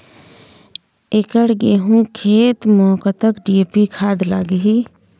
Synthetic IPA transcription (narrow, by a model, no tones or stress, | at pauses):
ɪkəɽɡeːɦũkʰeːt̪mɔːkat̪əkɖieːpikʰaːd̪la̰ːɡɦiː